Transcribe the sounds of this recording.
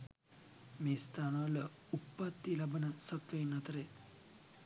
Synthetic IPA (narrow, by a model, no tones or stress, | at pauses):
mest̪ʰanalə | upːat̪ːilɐbənɐsɐt̪ʋəjnɐt̪ɾe